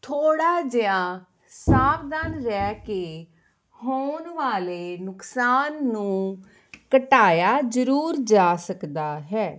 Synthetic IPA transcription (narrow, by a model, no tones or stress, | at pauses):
t̪ʰoːɽaːd͡ʒɪjãː | saːbd̪aːnɾɛːkeː | hoːnʋaːleːnʊksaːnːũː | kəʈaːjaːzəɾuːɾd͡ʒaːsəkd̪aːɦɛː